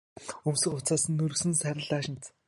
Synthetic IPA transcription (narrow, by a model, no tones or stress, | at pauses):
ɵmsɘ̆χʊt͡saːsɘ̆nːɵɾɵ̆sɘ̆nsæɾʲɪ̆ɮaːʃɪ̆nt͡s